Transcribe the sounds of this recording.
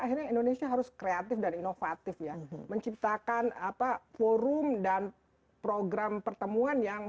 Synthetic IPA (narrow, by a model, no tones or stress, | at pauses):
aɦirɲaindonesiaɦaɾʊskɾeat̪ɪfdaninofat̪ɪfjaməɲt͡ʃip̚t̪akanapafoɾʊmdan | pɾoɡɾampərt̪əmuanjaŋ